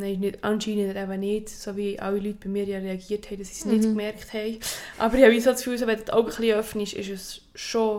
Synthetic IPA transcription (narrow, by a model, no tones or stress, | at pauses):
nɛɪɪnɪdʔɑnʃiːnədəɾæbənɪdsoviʔɑ̰wilyt̚b̥imɪːɾjɑɾeɑɡiːthɛɪdɑsi̥snɪdkmɛɾkχthɛɪʔɑ̰bəɾjɑvis̬ot͡sfyːls̬oʋɛndtʰaʊɡəχliːœfniʃɪ̰ʃəs | ʃo